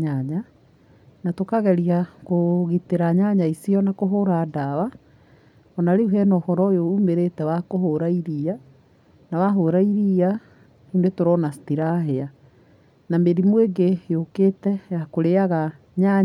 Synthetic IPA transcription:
ɲaɲa | natokaɣɛɾiakoɣiteɾaɲaɲaisiɔnakoɦoɾadawa | ɔnaɾeuɦɛnɔːhɔɾɔjoumeɾetɛwakoɦoɾaiɾia | nawaɦoɾaiɾia | endwetoɾɔnastiɾaɦea | nameɾimweɡejoketɛjakoɾeaɣa | ɲa

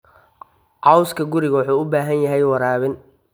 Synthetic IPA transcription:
ʔɑwskʰɐɡʊɾɪɣɐwʊħuːʊbaːɦɐnjɐɦɛjwɑɾaːβɪn

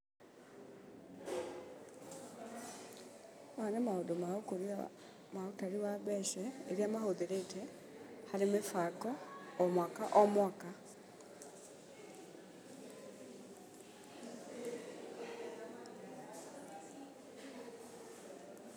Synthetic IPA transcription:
manamaodomaokoɾia | maotaɾiwaβɛʃɛeɾjamahoðeɾetʰɛ | haɾemefakɔːmwakaʔɔmwaːka

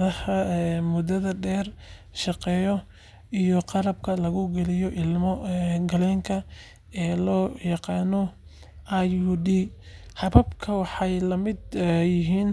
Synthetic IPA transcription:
ðɐhɐmʊd̪ɐðɐɖɛːr | ʃɑqɛːjɔ | ijɔqɑɾɐbkʰɐlɐɣʊɡɛlɪjɔʔɪlmɔɡɐlɛːŋkʰɐ | ɛːlɔːjɑqɑːnɔ | ʔajud̪iː | ħɑβɐbkʰɐwɑħɑjlɐmɪd̪jɪɦiːn

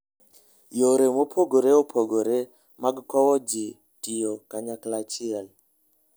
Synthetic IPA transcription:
joɾemopʰoɡoɾeopʰoɡoɾe | maɡkɔwɔd͡ʒi | tijɔkaɲaklat͡ʃial

